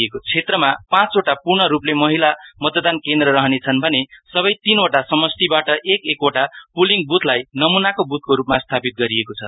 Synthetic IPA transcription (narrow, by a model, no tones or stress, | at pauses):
ekot͡sʰet̪rʌmapãt͡soʈapurɳʌɾuplemʌɦilamʌt̪d̪ankend̪rʌɾʌɦʌnet͡sʰʌnbʱʌnesʌβʌjt̪inoʈasʌmʌst̪ibaʈʌʔekekoʈapuliŋɡbut̪ʰlajnʌmunakobut̪̚ʰkoɾup̚mast̪ʰapit̪̚ɡʌɾiekot͡sʰʌ